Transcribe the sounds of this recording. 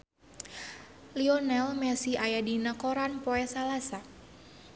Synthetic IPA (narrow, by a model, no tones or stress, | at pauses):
liɔnɛlmɛsiajadinakoɾanpoɛsalasa